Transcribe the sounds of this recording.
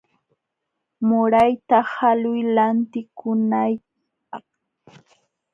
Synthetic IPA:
mʊɾajt̪ahalʊjlant̪ɪkʊnaj | ɑ̰χ

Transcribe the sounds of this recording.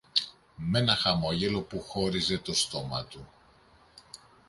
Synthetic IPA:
me̞nɐxɐmo̞ʝe̞lo̞puxo̞ɾize̞t̪o̞st̪o̞mɐ̰t̪u

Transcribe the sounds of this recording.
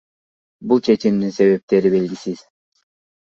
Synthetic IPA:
bulˠt͡ʃʰe̞t͡ʃimd̪inse̞βe̞p̚t̪e̞ɾibe̞lɡʲisiz̥

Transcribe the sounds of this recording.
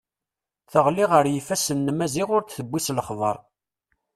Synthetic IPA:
θəʁliʁəɾjifæsənːmæziʁʊɾθθəbʷːisləχðˤə̰ɾˤ

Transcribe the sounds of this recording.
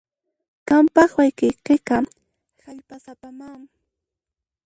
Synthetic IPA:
kampɑχwajkɪqeqɑ | haʎpasapamaŋ

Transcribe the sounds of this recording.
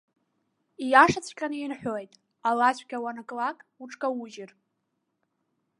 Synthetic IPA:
ijaʂat͡sʷʼʰkʲʼanɨjinħʷᶣoejtʼ | alaɕʷᶣɡʲawanakʼlakʼuʈ͡ʂʼkʼawuʒɪr

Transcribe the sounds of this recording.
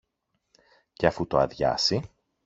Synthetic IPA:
ce̞ɐfut̪o̞ɐðʝɐ̰si

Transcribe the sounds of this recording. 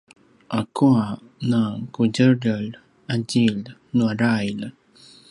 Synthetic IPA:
ʔakʰua | nakuɟəɾəɭ | aɟilnuaɾajl

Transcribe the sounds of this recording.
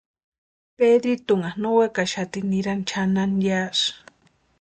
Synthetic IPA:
ped̪it̪uŋanowekaʃat̪iniɾant͡ʃʰananjaʂ

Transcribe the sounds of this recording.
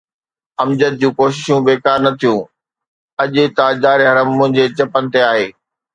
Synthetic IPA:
ɐmd͡ʑət̪̚d͡ʑũːkoːʃɪʃũbeːkaːɾnɐt̪ʰijũː | ɐʄʊ̆t̪ad͡ʑaːɾeɦɐɾəmːʊ̃ɦɪ̃ɲd͡ʑet͡ɕɐpənɪ̆t̪eaːɦeː

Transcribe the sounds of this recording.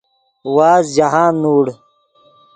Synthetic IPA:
waːzd͡ʑaɦaːnːuːɽ

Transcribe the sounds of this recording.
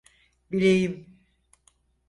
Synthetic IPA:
biɾejim

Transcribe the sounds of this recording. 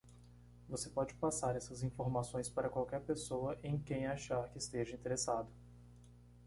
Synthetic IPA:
vosepɔd͡ʒɪpasaɾɛsɐzĩfoɾmasõj̃spaɾɐkwawkɛɾpesowɐʔẽj̃kẽj̃aʃaɾkɪːst̪eʒɐĩnt̪eɾesad̪ʊ

